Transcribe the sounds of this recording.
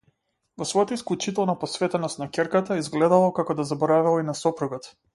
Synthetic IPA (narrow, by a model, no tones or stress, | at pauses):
vɔsvɔjɔt̪aisklˠut͡ʃit̪ɛlˠnapɔsvɛt̪ɛnɔst̪nakʲɛɾkat̪aizɡlɛd̪alˠɔkakɔd̪azabɔɾavɛlˠinasɔpɾuɡɔt̪